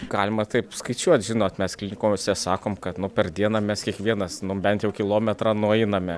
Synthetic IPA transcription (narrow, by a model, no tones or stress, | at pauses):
ɡ̥ɑːlʲɪmɐt̪ɐɪpskɐɪt͡ʃʲuɔt̪ʲʒʲɪnoːt̪mʲɛsklʲɪnʲɪkoːmʲɪsʲɛsɑːkoːmkɐt̪nʊpʲɛrd̪ʲiɛnɑmʲɛskʲiɛkʋʲiɛnɐsnʊbʲɛnt̪jɛʊkʲɪlˠoːmʲɛt̪rɑnuɔɛɪnɐmʲɛ